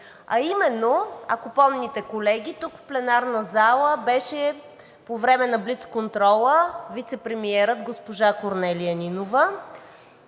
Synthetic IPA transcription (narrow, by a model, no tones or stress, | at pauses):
ɐimɛnːoɐkopɔmnit̪ɛkolɛɡʲit̪ukfplɛnaɾnəzalˠəbɛʃɛ | povɾɛmɛnɐblit̪skont̪ɾɔlˠəvit̪sɛpɾɛmiɛɾət̪ɡospoʒakoɾnɛliəninovə